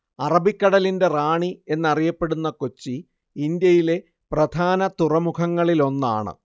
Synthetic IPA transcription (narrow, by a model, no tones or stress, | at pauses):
ɐrɐbikːɐɽɐlinde̞raːɳie̞nːɐrijɐpːe̞ɽunːɐko̞t͡ɕːi | ind̪jɐjile̞ | prɐd̪ʱaːnɐt̪urɐmukʰɐŋːɐɭilo̞nːa̰ːɳɨ̰